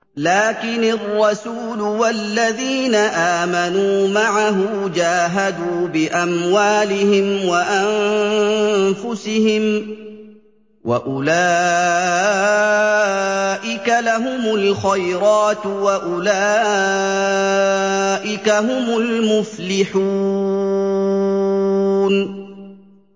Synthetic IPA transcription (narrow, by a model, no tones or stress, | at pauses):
laːkɪnɪrˤːɑsuːlʊwalːaðiːnaʔaːmanuːmaʕaɦʊd͡ʒaːɦad̪uːbɪʔamwaːlɪhɪmwaʔam | fʊsɪhɪm | wʔa̰ʔʊlaː | ʔɪkalaɦʊmʊlxajɾɑːt̪waʔʊlaː | ʔɪkaɦʊmʊlmʊflɪħu | n